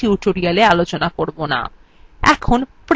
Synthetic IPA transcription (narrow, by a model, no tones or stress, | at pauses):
iuʈoɾialealot͡ɕonakoɾbona̰ | ɛkʰonpɾ